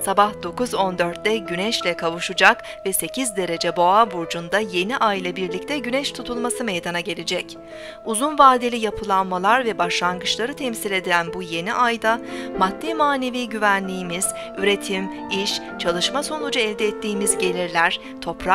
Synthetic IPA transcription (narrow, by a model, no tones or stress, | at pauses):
sabahd̪o̞kuzo̞nd̪øɾt̪̚d̪ɛɟynɛʃlʲɛkʰavuʃud͡ʒak | vɛse̞cizd̪e̞ɾe̞d͡ʒɛbo̞abuɾd͡ʒund̪aje̞niʔajlˠabiɾlʲic̚t̪ʰɛɟynɛʃt̪ʰut̪ʰulˠmasɯmɛjd̪anaɟe̞lʲed͡ʒɛc | uzunvaːd̪elʲijapʰɯlˠanmalˠaɾvɛbaʃlˠanɡɯʃlˠaɾɯt̪ʰɛmsilʲe̞d̪iɾʲænbuje̞niʔajd̪amad̪ːimaːne̞viːɟyvænlʲiːmiz̥ | yɾe̞t̪ʰim | iʃ | t͡ʃʰalˠɯʃmaso̞nud͡ʒaɛlʲd̪ɛːt̪ʰːiːmizɟe̞lʲiɾlʲæɾ̥ | t̪ʰo̞pɾa